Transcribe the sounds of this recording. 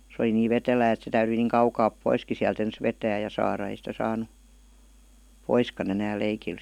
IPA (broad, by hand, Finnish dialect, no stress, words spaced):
se ə̆li niːʋ ʋetelæː et se tæyryi niːŋ kɑukɑːp poiski siælt ens ʋetæː jɑ sɑːrɑ ei sitæ sɑːnu poiskɑn enæːl leikil